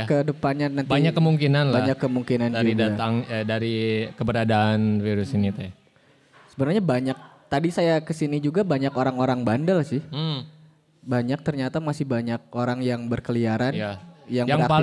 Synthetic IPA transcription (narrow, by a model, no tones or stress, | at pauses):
kədəpanɲanabaɲakːəmuŋkinanlbaɲakːəmuŋkinanad͡ʒuiɡdaat̪aŋədaɾikəbəɾadaːnfiɾʊsinit̪a | səbənarɲabaɲak̚t̪adisajakəsinid͡ʒuɡabaɲakoɾaŋoɾaŋbandalsɪh̩ | baɲak̚t̪ərɲat̪amasɪhbaɲak̚oɾaŋjaŋbərkəliaɾanajaŋaŋapa